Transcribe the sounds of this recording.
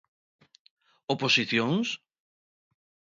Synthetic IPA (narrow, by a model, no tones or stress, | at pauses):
oposiθjõŋs